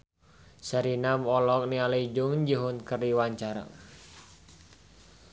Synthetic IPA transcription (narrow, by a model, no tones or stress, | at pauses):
saɾinamɔlɔk̚nialaid͡ʒʊŋd͡ʒəɦʊnkəriwaɲt͡ʃaɾa̰